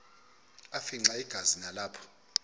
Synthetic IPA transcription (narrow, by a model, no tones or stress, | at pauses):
afiŋ͡ǀaiɡ̥ʱazinalaːpʰɔ̥